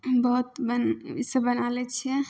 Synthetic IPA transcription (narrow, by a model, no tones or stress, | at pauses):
bəɦut̪bənisəbənalɛt͡ʃʰɛ